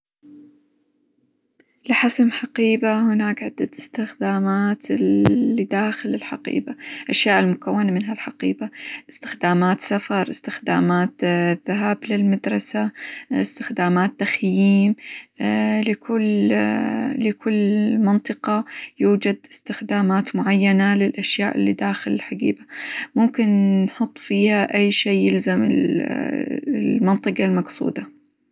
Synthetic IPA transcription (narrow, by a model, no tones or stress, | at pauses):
lɪħasmħaqiːbahʊnaːkʕɪd̪ːat̪ɪ̥st̪ɪxd̪aːmaːt̪ɪid̪aːxɪlɪlħaqḭːbaʔaʃjaːʔɪlmʊkawːanamɪnɦalħaqḭːbaʔɪst̪ɪ̥xd̪aːmaːt̪safɑɾˤʔɪst̪ɪxd̪a̰ːmaːt̪ðaɦaːblɪlmad̪ɾˤɑsaɪst̪ɪxd̪aːmaːt̪ːaxjiːm | lɪkʊl | lɪkʊlːmɑnt̪ˤɨqɑjuːd͡ʒad̪ɪst̪ɪxd̪aːmaːt̪mʊʕajːanalɪlʔaʃjaːʔɪlːid̪aːxɪlɪlħaɡḭːbamʊmkɪnːħʊt̪ˤːfiːhaʔajːʃeːjɪlzamɪ̰l | mɑnt̪ˤɨqɑlmɑqsˤṵːd̪a